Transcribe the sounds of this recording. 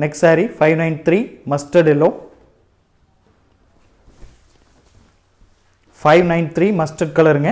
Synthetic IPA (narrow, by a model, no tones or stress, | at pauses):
nɛksaːɾifɐɪʋnɐɪ̃nt̪ɾiːmɐsʈɐɖɪlːõː | fɐɪʋnɐɪnt̪ʰɾiːmɐsʈɐɖ̚kɐɭɪɾɯŋɡɐ